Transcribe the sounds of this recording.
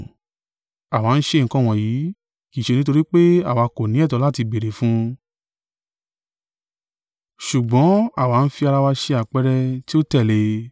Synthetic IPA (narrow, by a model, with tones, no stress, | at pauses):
a˨wa˨˦n̩˦ʃe˧˦˨ŋ̩˨kɔ̃˧˨w̃ɔ̃˨ji˨˦ | ki˨ʃe˧nĩ˦to˧ɾi˦k͡pe˦a˦˨wa˨˧ko˨nĩ˨˦ɛ˦˨tɔ˨˧la˦ti˧be˨ɾe˨fũ˦ | ʃu˨ɡ͡bɔ̃˨˦a˦˨wa˨˦n̩˦fi˧a˧ɾa˧wa˧ʃe˧a˨k͡pɛ˦ɾɛ˧ti˦o˦tɛ˦˨le˧